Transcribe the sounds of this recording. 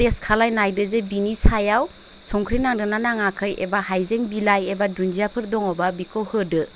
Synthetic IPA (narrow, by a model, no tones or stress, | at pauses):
eskʰalajnajdɯzebinisajaw | sɔŋkʰɾinaŋdɯnanaŋakʰɯjḛbahajzeŋbilajebadund͡ʒijapʰɯɾdɔŋɔbabikʰɔwhɯdɯ